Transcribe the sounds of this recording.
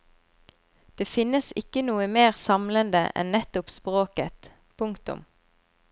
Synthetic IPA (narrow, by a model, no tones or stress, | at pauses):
d̪̥eːfɪnəsɪkənuːəmeːʁsɑmlənd̪ə̰ʔɛ̰nnɛt̪ʊpspʁoːkət̪ | pʰʊŋkt̪ʊ̰m